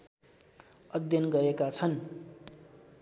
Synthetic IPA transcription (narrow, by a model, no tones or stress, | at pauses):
ʌd̪jʌnɡʌɾekat͡sʰʌn